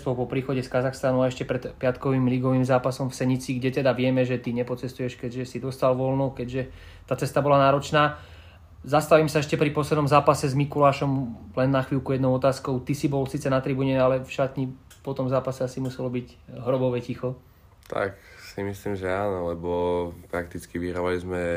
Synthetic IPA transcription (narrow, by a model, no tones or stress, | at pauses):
st̪ʋɔpɔpɾiːxɔɟɛskazaxst̪anuaɛʃcɛpɾɛt̪pɪat̪kɔʋiːmliɡɔʋiːmzaːpasɔmfsɛɲit͡siːɡɟɛt̪ɛd̪aʋɪɛmɛʒɛt̪iɲɛpɔt͡sɛst̪ujɛʃkɛɟʒɛsid̪ɔst̪alʋɔlnɔkɛɟʒɛ | t̪aːt͡sɛst̪abɔlanaːɾɔt͡ʃnaː | zast̪aʋimsaɛʃcɛpɾipɔslɛd̪nɔmzaːpasɛzmikulaːʃɔmlɛnːaxʋiːlkujɛd̪nɔʊɔt̪aːskɔʊt̪isibɔlsiːt͡sɛnat̪ɾibuɲɛalɛfʃat̪ɲi | pɔt̪ɔmvzaːpasɛasimusɛlɔbiɟ | ɦɾɔbɔʋɛcixɔ | t̪ʰa̰ksimisliːmʒɛaːnɔlɛbɔpɾak̚t̪it͡skiʋiɦɾaʋalizmɛ